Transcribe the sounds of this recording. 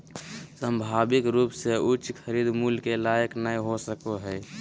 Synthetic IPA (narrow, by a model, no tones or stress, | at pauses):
səmbʱaːbɪkɾuːpseʊt͡ʃkʰəɾiːd̪muːlkelaːjəknaiɦosəkoɦɛː